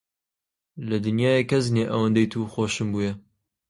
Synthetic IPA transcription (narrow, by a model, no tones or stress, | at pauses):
lɐd̪ɨnjɑːjekʰɐzneːʔɐwɐnd̪ɛjt̪ʰuːxoːʃɨmbuːjɛ